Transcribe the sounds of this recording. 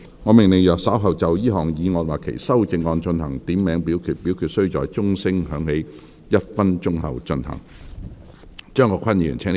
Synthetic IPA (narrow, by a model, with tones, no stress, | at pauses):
ŋɔː˨˧mɪ˨ŋlɪ˨ŋjœː˨k̚sɐ˨˥wɦɐ˨˩wt͡sɐ˨wjiː˥ɦɔː˨˩ŋjiː˨˧ŋɔː˧nwaː˨kʰḛ˨˩jsɐ˥wt͡sɪ˧ŋːɔː˧nt͡ʃɵ˧nhɐ˨˩ŋt̪iː˨˥mːɛː˨˥ŋpiː˨˥wkʰyː˧t̚piː˨˥wkʰyː˧t̚sɵ˥ɥt͡ʃɔː˨˩jt͡sʊ˥ŋsɪ˥ŋɦœː˨˧˥ŋne˨˧j | jɐ˥t̚fɐ˥nt͡ʃʊ˥ŋhɐ̰˨wt͡ʃɵ˧nhɐ̰˨˩ŋ | t͡ʃœː˥ŋkɔː˨˧kʰɐ˥nji˨y̰ː˨˩nt͡sʰɛː˥n